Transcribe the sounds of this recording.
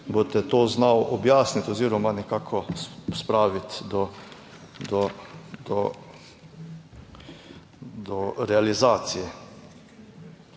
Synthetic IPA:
bot̪ɛt̪oːznawʔɔbjaːsnit̪ɔziːɾɔmanɛkaːkʰɔspɾaːʋit̪d̪ɔ | d̪ɔd̪ɔ | d̪ɔɾɛalizaːt̪sijɛ

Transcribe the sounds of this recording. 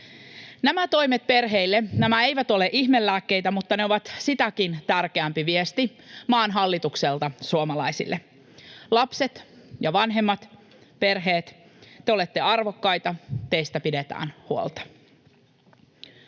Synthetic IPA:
næmæt̪o̞jmet̪̚pe̞rɦeilːenæmæe̞ijʋæt̪o̞leʔiçmelːæːkːe̞jt̪æmut̪ːɑneo̞ʋɑt̪sit̪ækint̪ærkeæmpiʋiest̪i | mɑːnɦɑlːit̪ukselt̪ɑsuomɑlɑisḭlːʔe | lɑpse̞t̪ | jɑʋɑnɦe̞mːɑt̪ | pe̞rɦe̞ːt̪ | t̪eo̞let̪ːe̞ɑrʋo̞kːɑjt̪ɑt̪ejst̪æpidet̪æ̰ːnhuo̰lt̪ɑ̥

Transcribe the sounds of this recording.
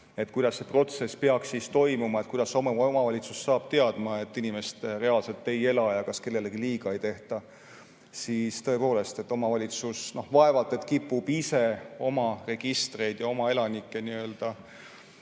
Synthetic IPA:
e̞t̪kujd̪̥ɑsːe̞pro̞t̪se̞speɑkssist̪o̞jmumɑet̪̚kujd̪̥ɑsommɑvɑlʲit̪susːɑːb̥̚t̪e̞ɑd̪̥mɑe̞t̪ːˑinime̞st̪re̞ɑlse̞lt̪ːˑe̞je̞lɑjɑkɑske̞lːe̞leɡ̥iliːɡɑe̞jt̪e̞ht̪ɑ | sist̪ɤ̞e̞po̞ːle̞st̪e̞t̪ːˑo̞mɑvɑlʲit̪susno̞hvɑe̞vɑlt̪ːˑe̞t̪kipːub̥ise̞o̞mɑre̞ɡ̥ist̪re̞jd̪̥jɑo̞mɑe̞lɑnikːˑe̞niø̞ːld̪̥ɑ

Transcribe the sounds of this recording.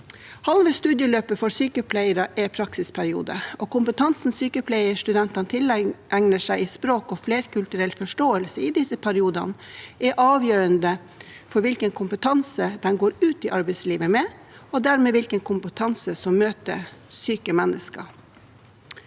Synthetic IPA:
hɑlʋəst̪ʉːd̪jəløːpəfɔɾsyːkəpʰlæɪəɾɑʔɛpʰɾɑksɪspʰæɾɪṵːd̪ə̰ʔɔkʊmpət̪ʰɑnsn̩syːkəpʰlæɪəʂt̪ʉd̪ɛnt̪ɑnt̪ʰɪlʔæŋnəʂæɪɪspɾoːkɔfleːɾkʰʉlt̪ʉɾɛlfɔʂʈoːəlsəɪd̪ɪsəpʰæɾɪuːd̪ɑ̰nʔɛʔɑːʋjøːɾənd̪ə | fɔɾʋɪlkənkʰʊmpət̪ʰɑnsəd̪ɛnɡoːɾʉːt̪ɪʔɑɾbɛɪsliːʋəmɛ | ɔd̪æːɾmeːʋɪlkənkʰʊmpət̪ʰɑnsəsɔmːøːt̪ə̰syːkəmɛnːʔəskɑ̰

